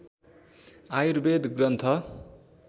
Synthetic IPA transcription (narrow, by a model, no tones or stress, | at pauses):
ajuɾbed̪ɡrʌnt̪ʰʌ